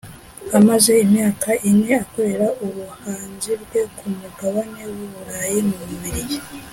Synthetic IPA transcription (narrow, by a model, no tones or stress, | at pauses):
amaze̞imɲaːkaʔinŋe̞ako̞ɾe̞ɾaʔuβuhaːnzibɡwe̞kʰumuɡaβane̞wuβuɾajimuuβiɾije